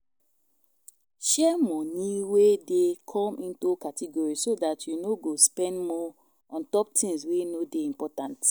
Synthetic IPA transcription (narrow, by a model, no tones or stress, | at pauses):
ʃɛmɔniwedekʰɔ̃mʔĩntokatʰɛɡɔɹisodatjunoɡospɛ̃ndmɔ | ɔ̃ntɔp̚tʰĩmswenodeĩmpɔtãnt